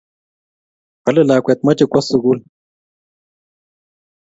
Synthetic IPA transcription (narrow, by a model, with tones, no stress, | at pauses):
hɐ˦le˦˨laː˨kʷɛ˨t̪̚mɐ˦t͡ʃi˨kwa˦su˨ɡu˦l